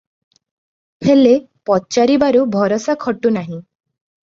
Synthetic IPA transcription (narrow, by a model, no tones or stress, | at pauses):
hele | pɔt͡ʃaɾibaɾubʱɔɾɔsakʰɔʈunaɦĩ